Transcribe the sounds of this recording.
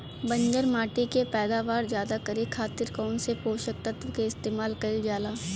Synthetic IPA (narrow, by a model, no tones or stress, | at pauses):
bɐ̃ɲd͡ʒəɾmaːʈikepɛːd̪aːʋaːɾzjaːd̪akɐɾikʰaːt̪ɪɾkɔːnsepoːʃək̚t̪ɐt̪ʋkeɪst̪eːmaːlkɐɪld͡ʒjaːlaː